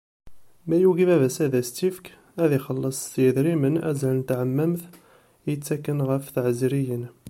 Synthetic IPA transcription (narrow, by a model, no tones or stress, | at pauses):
mæjuɡimævæsæðæst̪ifk | æðiχəlːəsˤt̪jəðɾimənæ̰zælənt̪ʕəmːəmθ | jət͡sːækːənʁəfθʕəzɾijən